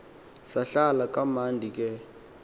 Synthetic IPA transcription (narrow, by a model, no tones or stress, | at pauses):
saɬalakʼamandʱik̬ʼɛ